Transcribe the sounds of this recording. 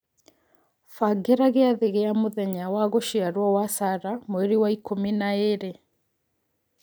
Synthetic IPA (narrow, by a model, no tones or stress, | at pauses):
faɡeɾaɣeaðeɣeamoðɛɲawaɣoʃiaɾwɔwasaɾamoeɾiwaikominaeɾe